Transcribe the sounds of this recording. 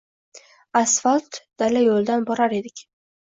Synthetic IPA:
asfalt̪d̪̥alajolˠd̪anbɒɾaɾe̞d̪ɪkʲ

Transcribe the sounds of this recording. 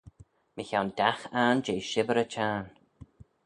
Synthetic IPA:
mɪçawndaxaːnd͡ʒeːʃɪbəɾət͡ʃʰaːn

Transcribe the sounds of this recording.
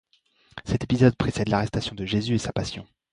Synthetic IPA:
sɛt̪epizɔd̪̚pχesɛd̪laʁɛst̪asjɔ̃d̪əʒezyesapasjɔ̰̃

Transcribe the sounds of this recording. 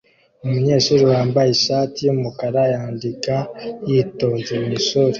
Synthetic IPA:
umuɲe̞ːʃuɾuwaːmbajeʃaːtijumukaɾajaːndikajito̞ːzemiʃoɾe

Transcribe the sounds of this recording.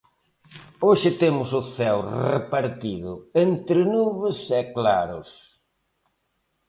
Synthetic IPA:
oʃɪt̪emʊsʊθɛwrepaɾt̪iðʊent̪ɾɪnuβɪsɛklaɾʊ̰s

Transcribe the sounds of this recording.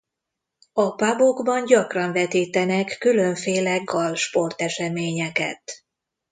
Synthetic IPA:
ɒpaboɡbɒnɟɒkrɒɱvɛt̪iːt̪ɛnɛkːylø̞ɱfeːlɛɡɒlʃpo̞rt̪ɛʃɛmeːɲɛkɛ̰t̪

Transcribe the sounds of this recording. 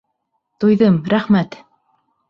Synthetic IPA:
t̪ujðɤmɾæχmæt̪

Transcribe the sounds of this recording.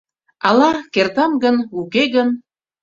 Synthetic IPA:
ɑlɑkert̪ɑmɡənukeɣən

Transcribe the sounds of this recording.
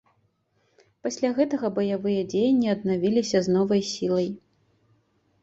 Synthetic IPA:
pasʲlʲaɣɛt̪ɐɣɐbɐjavɨjɐd͡zʲejnʲːiɐd̪navʲilʲisʲɐznɔvɐjsʲilˠɐj

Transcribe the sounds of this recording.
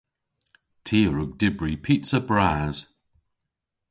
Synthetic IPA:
tʰiːəɹʊɡ̚dɪbɹipʰitsəbɹaːz̥

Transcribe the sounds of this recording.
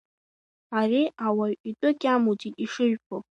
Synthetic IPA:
ariawaʔʼitʼʊkʲʼamutʰitʼiʂɨɥᶣpʰo

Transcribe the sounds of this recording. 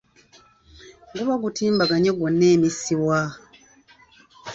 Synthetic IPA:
ɡuβaɡutiːmbaɡaɲoɡwonːe̞ːmisiwa

